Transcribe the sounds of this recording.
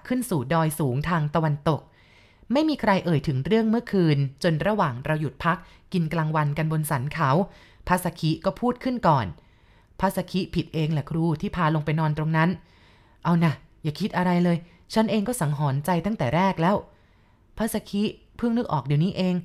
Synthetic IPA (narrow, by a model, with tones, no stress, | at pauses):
kʰɯ˥˩nsuː˨˩dɔː˧jsuː˩˦ŋt̪ʰaː˧ŋt̪a˧wa˧nt̪o˨˩k̚ | ma˥˩jmiː˧kʰɾa˧jʔɤː˨˩jt̪ʰɯ˩˦ŋɾɯ˥˩əŋmɯ˥˩əkʰɯː˧nt͡ɕo˧nɾa˧waː˨˩ŋɾa˧wju˨˩t̪̚pʰa˦˥k̚ːi˧nklaː˧ŋwa˧nka˧nbo˧nsa˩˦nkʰa˩˦w | pʰa˦˥sa˧kʰi˦˥kɔː˥˩pʰuː˥˩t̪̚kʰɯ˥˩nkɔː˨˩n | pʰa˦˥sa˧kʰi˦˥pʰi˨˩t̪̚ʔeː˧ŋlɛː˨˩kʰɾuː˧˩t̪ʰiː˥˩pʰaː˧lo˧ŋpa˧jnɔː˧nt̪ɾo˧ŋna˦˥n | ʔa˧wna˧˩jaː˨˩kʰi˦˥t̪̚ʔa˧ɾa˧jlɤː˧j | t͡ɕʰa˦˥nʔeː˧ŋkɔː˥˩sa˩˦ŋɦɔː˩˦nt͡ɕa˧jt̪a˥˩ŋt̪ɛː˨˩ɾɛː˥˩k̚lɛː˦˥w | pʰa˦˥sa˧kʰi˦˥ | pʰɯ˥˩ŋnɯ˦˥k̚ʔɔ̰ː˨˩k̚di˨˩wniː˦˥ʔeː˧ŋ